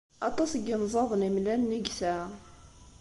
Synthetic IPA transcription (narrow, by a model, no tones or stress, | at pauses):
ɑt̪ˤɑsəɡːənzˤɑðˤənimlænːəɡsæ